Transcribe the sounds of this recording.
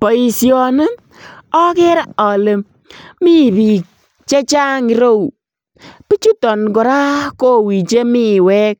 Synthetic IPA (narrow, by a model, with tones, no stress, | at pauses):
pɔ˨i˧sjɔ˧ne˦ | ɔ˦kɛ˦ɾa˦ɔ˨le˨ | mi˦bi˨k̚ | t͡ʃe˦t͡ʃa˦ŋi˧ɾo˦u˨ | pi˦t͡ʃu˦tɔ˨nkɔ˨ɾa˦ko˦wi˨t͡ʃe˦mi˦wɛ˦k̚